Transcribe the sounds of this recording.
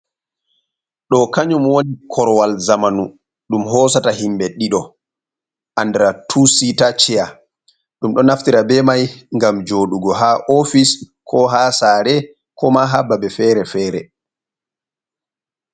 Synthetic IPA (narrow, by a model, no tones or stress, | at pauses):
ɗɔkaɲumwonikʰɔɾwalzamanu | ɗumɦɔːsataɦimbɛɗiɗɔ | ʔandɛɾatʰusitat͡ʃɛja | ɗumɗɔnaftiɾabɛmajŋɡamd͡ʒoɗuɡɔɦaʔofis | kʰɔɦaːsaːɾɛ | kɔmaɦabːaɓɛfɛːɾɛfɛːɾɛ